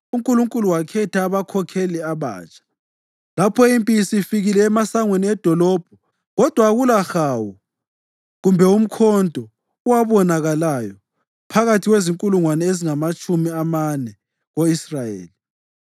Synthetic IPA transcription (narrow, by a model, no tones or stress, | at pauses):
uŋkʼuluŋkʼuluwakʰɛtʰaːβakʰɔkʰɛlɛaβa̰ːt͡ʃʼḁ | lapʰɔimpʼisiifiɣilɛːmasaŋweniɛd̥ʱɔlɔb̥̚ʱɔ | ɣɔd̥ʱwaɣulaxawu | ɣumbʱɛum̩kʰɔndʱʼɔ | uwaβɔnaɣalajɔ | pʰaɣatʰiɣweziŋkʼuluŋwanɛeziŋamat͡ʃʼumiamanɛ | ɣoisrajḛːli